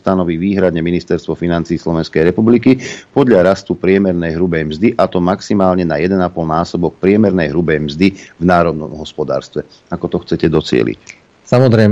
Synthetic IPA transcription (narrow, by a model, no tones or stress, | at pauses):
t̪anɔʋiːʋiːɦɾad̪ɲɛminist̪ɛɾst̪ʋɔfinant͡siːslɔʋɛnskɛjɾɛpublikipɔd̪ʎaɾast̪upɾɪɛmɛɾnɛjɦɾubɛjmzd̪iʔat̪ɔmaksimaːlɲɛnajɛd̪ɛnapɔlnaːsɔbɔk̚pɾɪɛmɛɾnɛjɦɾubɛjmzd̪ivnaːɾɔd̪̚nɔ̰mɦɔspɔd̪a̰ːɾst̪ʋɛ | akɔt̪ɔxt͡sɛcɛd̪ɔt͡sɪɛ̰lḭc | samɔzɾɛ